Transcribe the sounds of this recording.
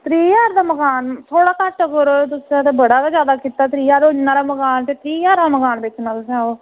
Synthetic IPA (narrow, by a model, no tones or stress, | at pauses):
t̪ɾiːjaːɾd̪aːməkaːnt̪ʰoːɽaːk̪aːʈːkəɾoːt̪ʊsat̪eːbəɽaːk̪aːd͡ʒjaːd̪aːkiːt̪aːt̪ɾiːjaːɾoːd͡ʒnãːɾaːməkaːnt̪eːt̪ɾiːjaːɾd̪aːməkaːnbɪt͡ʃːnalsãːoː